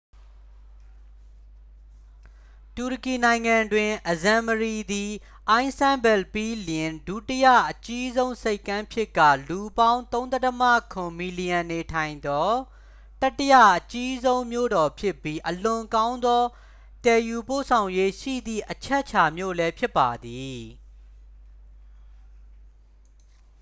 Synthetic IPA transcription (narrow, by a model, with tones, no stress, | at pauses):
tu˨ɹə˨ki˨nã˨ɪ̃ŋã˨ndwɪ̃˨ʔəzã˨məɹi˨d̪i˨ | ʔã˦ɪ̃nsã˦mbɛ˨lpi˦lɪ̃˨ndu˨tə˦jä̰˦˨ʔət͡ɕi˦zõ˦ʊ̃se˦ɪkːã˦mpʰjɪ˦kːä̰˦˨lu˨bã˦ʊ̃nt̪õ˦ʊ̃t̪ɛ˦təmä̰˦˨kʰʊ̃˨mi˨li˨jã˨nːe˨tʰã˨ɪ̃nd̪ɔ˦ | ta˦tːəjä̰˦˨ʔət͡ɕi˦zõ˦ʊ̃mjo̰˦˨dɔ˨pʰjɪ˦pːji˦ʔəlʊ̃˨kã˦ʊ̃nd̪ɔ˦ | tɛ˨ju˨po̰˦˨sʰã˨ʊ̃je˦ʃḭ˦˨d̪ðḭ˦˨ʔət͡ɕʰɛ˦ʔt͡ɕʰa˨mjo̰˦˨lɛ˦pʰjɪ˦pːa˨d̪i˨